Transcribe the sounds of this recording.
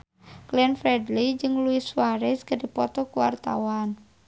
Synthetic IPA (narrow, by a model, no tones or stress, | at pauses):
kliɛnfɾɛdlid͡ʒɨŋluɪswaɾɛskədipɔt̪ɔkuwa̰rt̪a̰wan